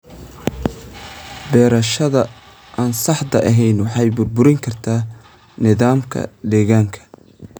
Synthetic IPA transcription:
bɛːɾɐʃɐðɐ | ʔaːnsɑħd̪ɐʔɐɦɛjnwɑħɑjbʊrbʊɾɪŋkʰɐrt̪ʰaː | nɪðaːmkʰɐ̰d̪ɛːɣaːŋkʰɐ̥

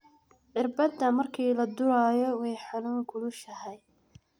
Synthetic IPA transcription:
ʔɪrbɐd̪ɐmɐrkʰiːlɐd̪ʊɾaːjɔwɛjħanuːŋkʰʊlʊʃɐhɛj

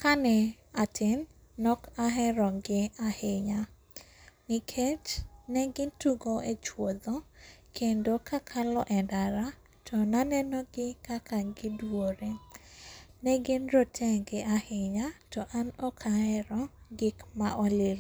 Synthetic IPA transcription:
kanɛ | atʰɪn | nɔkaɦɛɾɔɡɪahɪɲa | nɪkʰet͡ʃnɛɡɪntuɡoet͡ʃwod̪ɔkʰendokakʰalɔʔɛndaɾa | tʰɔnanɛnɔɡɪkakaɡɪdwoɾe | nɛɡɪnɾotʰɛɡɪʔahɪɲatɔʔanɔkʰaɛɾɔɡɪkmaʔɔlil

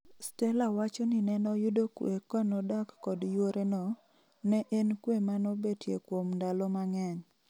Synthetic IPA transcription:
stɛlawat͡ʃɔnɪnɛnɔjʊdokwḛkɔnɔdakːɔdjoɾenɔ | nɛʔenkwemanɔbetjekwomndalɔmaŋɛɲ

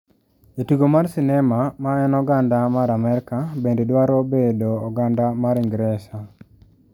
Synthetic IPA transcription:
etuɡomarsinɛmamaɛnɔɡandamaɾamɛɾkabendedwaɾobedoːɡandamaɾɪŋɡɾɛsa

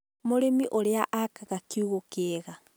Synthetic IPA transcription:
moɾemiʔoɾeaʔakaɣakiuɣokeɣa

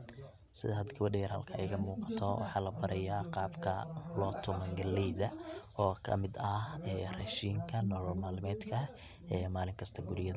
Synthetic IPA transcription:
sɪ̰ðɐɦɐd̪ɡɐβɐɖɛjɛrhɐlkʰɐɛ̰jɣɐmuːqɑ̥t̪ʰɔwɑ̰ħɑːlɐbɐɾʔɛjaːqɑːbkʰɐ̰lɔt̪ʰʊmɐŋɡɐlɛjðɐɔːkʰɐ̰mɪd̪ɐɛːrɛʃiːŋkʰɐnɔːlɔlmaːlmɛːd̪kʰɐ | ɛːmaːlɪŋkʰɐst̪ʰɐɡʊɾɪjɐðɐ

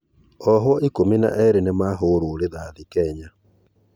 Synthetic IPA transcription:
ɔɦwɔʔikomina̰ʔɛɾenemaːɦoɾoɾeðaðikɛɲa

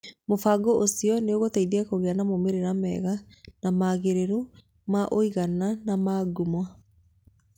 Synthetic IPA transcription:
mofaɡoʔosiɔneoɣotaiðiɛkoɣeanamomeɾeɾamɛɣa | namaɣeɾeɾu | maʔoiɣananamaːɡumwa

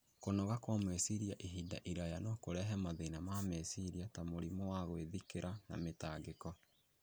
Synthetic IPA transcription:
konɔɣakwamwesiɾiaʔeɦida̰ʔiɾajanɔkoɾɛɦɛmaðenamamesiɾiatamoɾimowaɣoeðikeɾʔana̰metaːɡekɔ

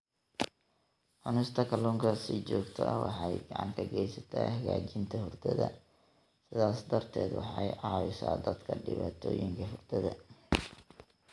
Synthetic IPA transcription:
ħʊnɪst̪ʰɐkʰɐlɔːŋkʰɐsɪt͡ʃɔːɡt̪ʰɐʔɐ̰wʔɑħɑjɡɑʕɑ̰ŋkʰɐɡɛjsɐt̪ʰa̰ːhɐɣaːt͡ʃɪnt̪ʰɐhʊrd̪ʰɐðɐ | sɪðaːsd̪ɐrt̪ʰɛːd̪wɑħɑjʕɑːwɪsaːd̪ɐd̪kʰɐɖɪβaːt̪ʰɔːjɪŋkʰɐɦʊrd̪ʰɐðɐ

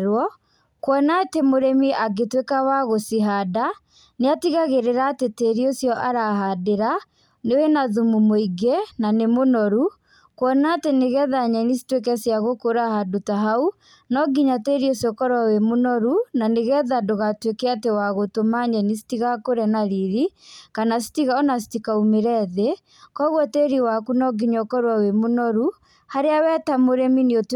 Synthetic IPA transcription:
ɾwɔ | kwɔnatemoɾemiʔaɡetwekawaɣosiɦada | neatiɣaɣeɾeɾaːteteɾiosjɔʔaɾaɦadeɾa | newenaðumumoiɡenanemonɔɾu | kwɔnateneɣɛðaɲɛnisi̥twekɛsjaɣokoɾahadotaɦau | nɔɡiɲateɾiosiɔkɔɾwawemonɔɾunaneɣɛðadoɣatwekɛatewaɣotomaɲɛnisi̥tiɣakoɾɛnaɾiɾikanasi̥tiɣaɔnas̬i̥tikaumeɾɛðe | kɔɣwateɾiwakunɔɡiɲɔkɔɾwawemonɔɾu | haɾeawɛtamoɾɛminiot

